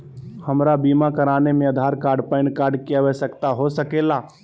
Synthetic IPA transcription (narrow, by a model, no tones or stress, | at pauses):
hɐmɾabiːmakɐɾaːnemẽɐd̪ʱaːɾkaːɾɖpaɪ̃ɳkaːɾɖkiaʋəsəkt̪aɦosɐkeːlaː